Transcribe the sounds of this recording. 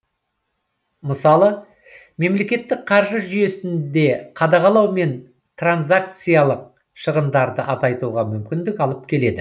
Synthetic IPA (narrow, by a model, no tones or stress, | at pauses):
məsɑlˠə | me̞mle̞kʲe̞t̪ːɪk̚qʰɑɾʒəʒʏje̞sɪnd̪e̞qʰɑd̪ɑʁɑlˠɑwme̞n | t̪ranzak̚t̪sɨjɑlˠəq̚ | ʃəʁənd̪ɑɾd̪əʔɑzɑjt̪uʁɑmʏmkʲɪnd̪ɪkɑlˠəp̚kʲʰe̞le̞d̪ɪ